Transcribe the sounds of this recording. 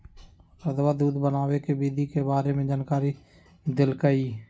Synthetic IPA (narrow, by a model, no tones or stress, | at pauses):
ɾəd̪ʋaːd̪uːd̪bənaːwekebiːd̪ʱikebaːɾemẽd͡ʒaːnkaːɾi | d̪ɪlkəiː